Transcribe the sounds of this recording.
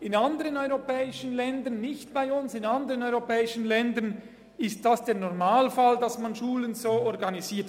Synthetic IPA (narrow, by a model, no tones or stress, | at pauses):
ɪnandəʁənɔʏʁopɛːɪʃənlɛndɐnːɪçtb̥aɪʊnsɪnandəʁənɔʏʁopɛːɪʃən̩lɛndən | ɪst̚d̥asd̥eːɐnɔʁmaːlfaldɑsmanʃuːlənzoːɔʁɡɑniziːɐt